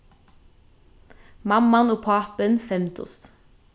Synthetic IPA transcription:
mɑmɑnoːpʰɑːpənfɛmt̪ʰʊ̰st̪

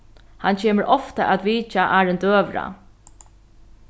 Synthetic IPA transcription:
hancʰeːməɾʔɔft̪aʔæt̪ʋiːt͡ʃaʔaːɹɪnd̪øːʋɾa̰

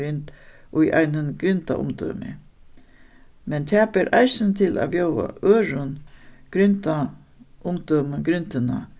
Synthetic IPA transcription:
ɾʏnt̪ʔʊjʔa̰jnənɡ̥ɾʏnt̪a̰ʔʊ̰md̪ɔ̰ːmɪ̰ | mɛnt̪ʰaːpɛɾʔaɪsɪnt̪ʰɪlʔa̰ːbjowa̰ʔøːɾʊnɡ̥ɾʏnt̪a | ʊmd̪ɔːməɡɾʏnt̪ɪna

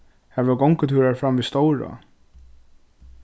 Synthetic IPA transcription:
hɛʋəɡɔŋkət̪ʰuːɾaɹfɾamviːst̪ɔwɹa̰

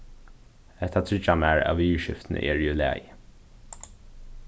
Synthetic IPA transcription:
ɛt̪ʰːat̪ʰɹɪt͡ʃamæːɹɑ̰ːʋyːəʃɪft̪n̩ə̰ʔeːɹjʉlæ̰ːj

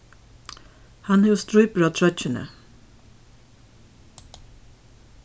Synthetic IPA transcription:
hɑnhʊːst̪ɹʉːpəɹɑːt̪ʰɹœc͡çənə̰

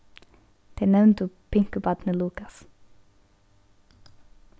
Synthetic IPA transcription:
d̪̥enɛʋnt̪uː | pʰɪŋkʉbɑd̪nəluːkɑs

